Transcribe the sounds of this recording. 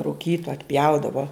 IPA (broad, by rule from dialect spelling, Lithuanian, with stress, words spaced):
rʊˈkʲiːtoː ɐtʲˈpʲjɛʊdɐʋoː